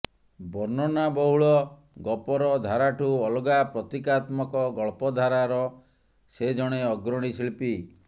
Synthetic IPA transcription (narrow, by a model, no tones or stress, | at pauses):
bɔɾnɔnabɔɦuɭɔ | ɡɔpɔɾɔd̪ʱaɾaʈʰuɔlɔɡapɾɔt̪ikat̪mɔkɔɡɔɭpɔd̪ʱaɾaɾɔ | sed͡ʒɔɽ̃eɔɡɾɔɽ̃isilpi